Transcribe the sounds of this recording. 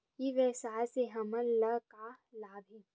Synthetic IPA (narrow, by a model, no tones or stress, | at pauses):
kiʋɛsaːseɦɐmənlɐkalaːb̪ʱi